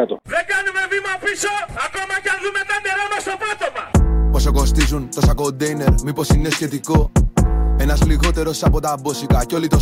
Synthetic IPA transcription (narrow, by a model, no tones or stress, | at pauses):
ɐt̪oðeɡɐnumevimɐpisoɐkomɐceðumet̪ɐneɾɐmɐst̪opɾot̪opɐposoko̞st̪izunt̪osɐkond̪ejne̞ɾmipo̞sine̞sçe̞t̪iko̞ | e̞nɐzliɣo̞t̪e̞ɾo̞sɐpo̞t̪ɐbosikɐco̞lit̪o